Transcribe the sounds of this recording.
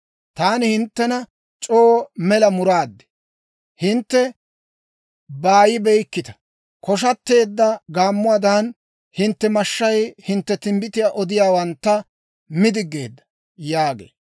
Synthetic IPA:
t̪aːnɪhɪnt̪ːɛnɐ | t͡ʃʼoːmɛlɐmʊɾaːd̪ːɛ̥ | hɪnt̪ːɛ | baːjɪbɛjkːɪt̪ɐ̥ | kɔʃ̬ɐt̪ːe̞ːd̪ːɐɡaːmːʊad̪ɐn | hɪnt̪ːɛmɐʃːɐjhɪnt̪ːɛt̪ɪmbɪt̪ɪjaːʔɔd̪ɪjaːwɐnt̪ːɐ | mɪd̪ɪɡːe̞̰ːd̪ːɐ̥ | jaːɡḛː

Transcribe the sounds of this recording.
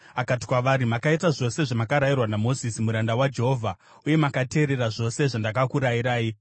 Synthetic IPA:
akati̥kwaʋaɾimakaitaʐo̞se̞ʐamakaɾairwanamo̞zisimuɾandawad͡ʒe̞ɦo̞ːvʱa | uje̞makate̞ːɾe̞ɾaʐo̞se̞ʐandakakuɾajiɾaːi

